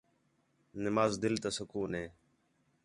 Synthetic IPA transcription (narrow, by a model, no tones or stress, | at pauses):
nɪmaːzd̪ɪlt̪asəkuːneː